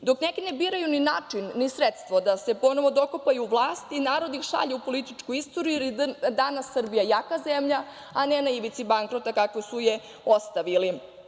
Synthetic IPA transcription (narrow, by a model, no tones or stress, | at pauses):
d̪o̞knekinebiːɾajuninaːt͡ʂinːisɾet̪st̪ʋod̪ase̞po̞no̞ʋo̞d̪o̞kopajuːʋlˠaːst̪inaːɾo̞d̪iixʃa̰ʎeupo̞lit̪it͡ʂkuist̪oɾjuilid̪anasːr̩bijajakazemʎa | anenaiʋit̪sibaŋkɾot̪akakʋosuje | ost̪aʋili